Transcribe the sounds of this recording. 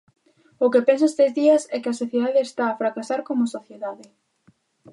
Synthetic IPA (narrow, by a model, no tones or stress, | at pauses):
ʊkepens̬ʊest̪ezðiɐsɛkɪɐsoθjeðaðeːst̪aːfɾakasaɾkomʊsoθjeðaðɪ